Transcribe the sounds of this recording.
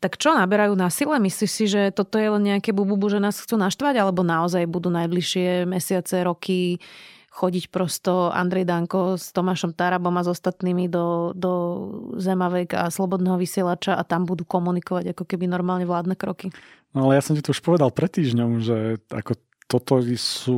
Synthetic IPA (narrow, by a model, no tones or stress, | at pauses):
t̪akt͡ʃɔnabɛɾajuːnasilɛmisliʃsiʒɛt̪ɔt̪ɔjɛlɛnɲɛakɛbububuʒɛnaːsxt͡suːnaʃt̪ʋaɟalɛbɔnaɔzajbud̪uːnajbliʃɪɛmɛsɪat͡sɛɾɔkʰi | xɔɟicpɾɔst̪ɔʔa̰nd̪ɾɛjd̪aŋkɔst̪ɔmaːʃɔmt̪aɾabɔmazɔst̪at̪niːmid̪ɔd̪ɔzɛmaʋɛka̰slɔbɔd̪nɛːɦɔʋisɪɛlat͡ʃaʔat̪ambud̪ukɔmunikɔʋaɟakɔkɛbinɔɾmaːlɲɛʋlaːd̪nɛkɾɔkinɔalɛjasɔmcit̪ɔuʃpɔʋɛd̪alˠpɾɛt̪ːiːʒɲɔmʒɛa̰kɔ | t̪ɔt̪ɔsuː